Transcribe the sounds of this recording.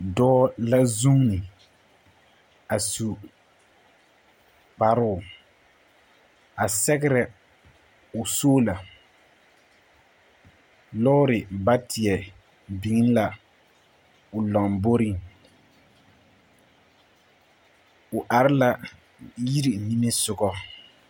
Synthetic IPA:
dɔː˦la˦zu˦ŋ˦nɪ˨ | a˨su˨ | k͡pa˨ɾʊ˦ʊ˨ | a˨sɛ˦ɡɪ˦ɾɛ˨ | ʊ˨soː˦la˨ | lɔ˦ʊ˦ɾɪ˨ba˦tɪ˨ɛ˨ | bi˨ŋɪ˦n˦la˨ | ʊ˨lɔ˨ŋbo˦ɾi˦ŋ | ʊ˨ʔa˨ɾɪ˦la˨ | ji˦ɾi˨ni˦me˦sʊ˨ɡɔ˦

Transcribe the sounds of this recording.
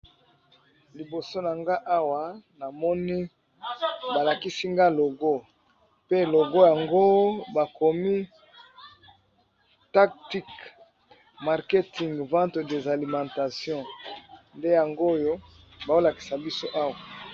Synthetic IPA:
li˨bo˨so˦na˨ŋɡa˦ʔa˦wa˨na˨mɔ˦ni˦ | ba˨la˨ki˦si˦ŋɡa˦lo˨ɡo˦ | pe˦˨lo˨ɡo˦ja˨ŋɡo˦ba˨ko˨mi˦ | ta˦k̚ti˦k | ma˨ʁke˦ti˨ŋɡvã˦tde˨za˨li˨mɑ̃˨ta˨sjɔ̃˦nde˦ja˨ŋɡo˦jo˦ | ba˨o˦la˨ki˨sa˨bi˦so˦ʔa˦wa˨

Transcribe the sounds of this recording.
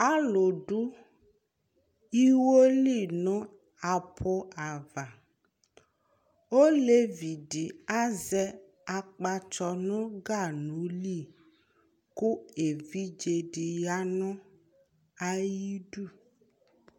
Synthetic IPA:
a˦lo˨ɖu˦ | i˦wo˦li˦˨nʊ̃˦ | a˨pʰo˦a˨va˨ | o˦le˦vi˨ɖi˨a˦zɛ˦ | a˨k͡pa˨t͡ʃɔ˨nʊ̃˦ɡa˦˨nũ˨˦li˦˨ | ku˦e˨vi˦d͡ʒe˨ɖi˨ja˦nʊ̃˦ | a˨ji˦ɖu˦˨

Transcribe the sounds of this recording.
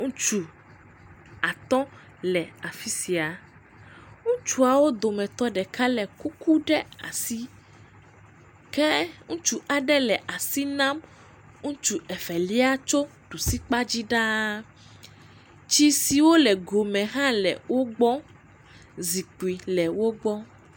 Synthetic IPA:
ŋũ˦t͡ʃu˨ | a˨t̪ɔ˦ | lɛ˨a˨fi˦si˨a˨ | ŋũ˦t͡ʃu˦a˨wo˦d̪o˨mɛ̃˨t̪ɔ˦ɖɛ˨ka˦lɛ˨ku˦ku˦ɖɛ˦a̰˨si˦ | kɛ˦ŋũ˦t͡ʃu˨˦ʔa˨ɖɛ˦lɛ˨ʔa˨si˦nã˦m | ŋũ˦t͡ʃu˨ɛ˨fɛ˨li˦a˦t͡ʃo˦ | ɖ̥u˨si˦k͡pa˦d͡ʑi˦ɖa˦ | t͡ʃi˦si˨wo˦lɛ˨ɡo˨mɛ̃˨ɦã˦lɛ̰˨wo˦ɡ͡bɔ˦ | zi˨k͡pu˨i˨lɛ˨wo˦ɡ͡bɔ˦

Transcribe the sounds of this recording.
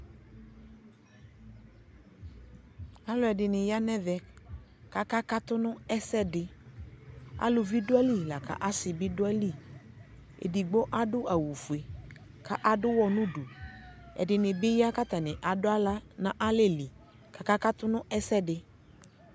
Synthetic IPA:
a˦lʊ˨˦ɛ˨dɪ˨nɪ̃˨ja˦nɛ˦vɛ˨ka˦ka˦ka˦t̪ʊ˦nʊ̃˦ɛ˦sɛ˦dɪ˨ | a̰˦lʊ˧vi˦du˦a˦li˦˨la˨ka̰˨ʔa˦sɪ˨bi˦dʊ˦ɛ˦li˦˨ | ḛ˨di˨ɡ͡bo˦ʔa˦dʊ˦a˨wu˨fu˨e˨ | ka˦ʔa˦dʊ˦wɔ˧nũ˦du˨ | ɛ̰˨dɪ˨nɪ̃˨bɪ˦ja˦ka˦t̪a˨nɪ̃˨ʔa˨dʊ˦a˦la˦nã˨ʔa˦le˦˨li˨ | ka˨ka˦ka˦t̪ʊ˦nʊ̃˦ʔɛ˦sɛ˦dɪ˧

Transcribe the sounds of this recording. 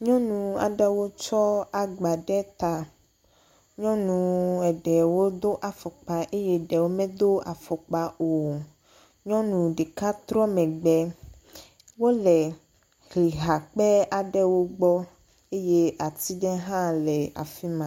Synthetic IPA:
ɲɔ̃˦nũ˨a̰˨ɖɛ˦wo˦t͡ʃɔ˦a˨ɡ͡ba˨ɖɛ˦t̪a˨ | ɲɔ̃˦nũ˨ɛ˨ɖɛ˨wo˦d̪o˦ʔa˨fɔ˨k͡pa˨ʔe˦jɛ˦ɖɛ˨wo˦mɛ̃˦d̪o˦a˨fɔ˨k͡pa˨o˨ | ɲɔ̃˦nũ˨ɖe˨ka˦t̪ɾɔ˦mɛ̃˨ɡ͡bɛ˦ | wo˦lɛ˨ | ɣi˨ɦa˨k͡pɛ˦a˨ɖɛ˦wo˦ɡ͡bɔ˦ | e˦je˦a˨t̪i˦ɖɛ˦ɦã˦lɛ˨a̰˨fi˦mã˨˦

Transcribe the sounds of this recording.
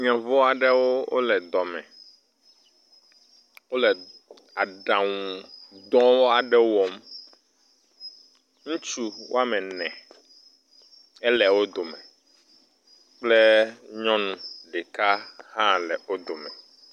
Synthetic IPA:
ɲɔ̃˨vo˦a˨ɖɛ˦wo˦o̰˦lɛ˨d̪ɔ˨mɛ̃˨ | wo˦lɛ˨ | a˨ɖã˨ŋũ˨d̪ɔ̃˦wo˦a˨ɖɛ˦wɔ˦m | ŋũ˦t͡ʃu˦wo̰˦a˦mɛ̃˨nɛ̃˨ | ɛ˦lɛ˨wo˦d̪o˨mɛ̃˨ | k͡ple˦ɲɔ̃˦nũ˨ɖe˨ka˦hã˦lɛ˨o˦d̪o˨mɛ̃˨

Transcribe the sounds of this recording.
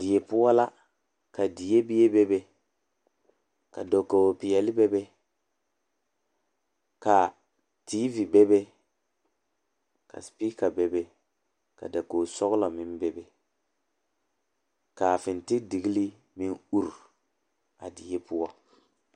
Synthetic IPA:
dɪ˨je˨pʊ˦ɔ˦la˦ | ka˨di˨je˦bi˦je˦bɛ˦bɛ˦ | ka̰˨do˨ko˨o˨pɪ˨jɛ˨lɪ˦bɛ˦bɛ˦ | ka˨ | ti˦vi˨bɛ˦bɛ˦ | ka̰˨spiː˦ka˨bɛ˦bɛ˦ | ka̰˨da˨koː˨sɔ˦ɣla˨mɪ˦n˦bɛ˦bɛ˦ | ka˨fɪ˨ntɪ˦kdi˨ɡi˦li˦ | mɪ˦nu˦ɾ | a˨di˨je˦pʊ˦ɔ˦

